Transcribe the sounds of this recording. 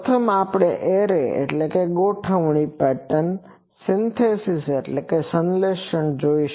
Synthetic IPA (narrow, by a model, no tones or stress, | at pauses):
t̪ʰəmaːpɽeʔeːɾeḛʈleːkeɠoːʈʰəʋɽ̃ipɛːʈən | sɪ̃nt̪ʰeːsiseʈleːkesə̃nleːʃəɳ̃d͡ʑoːiʃ